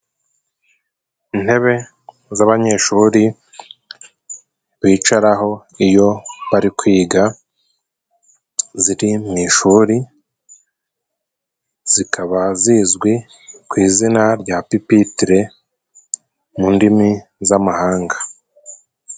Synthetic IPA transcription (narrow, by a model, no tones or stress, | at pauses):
in̥he̞βe̞ | zaβaɲe̞ʃuːɾi | βiːt͡ʃaɾaɦo̞ | ijo̞βaɾikwiːɡa | ziɾimiʃuːɾi | z̥ikʰaβazizɡwi | kwiːzinaɾɟapipitiɾe̞ | mundimizamahaːŋɡḁ